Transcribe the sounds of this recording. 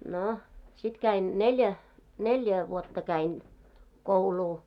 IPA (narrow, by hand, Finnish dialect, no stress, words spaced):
no sit kæin nelʲjæ nelʲjæ ʋuotːɑ kæin kouluː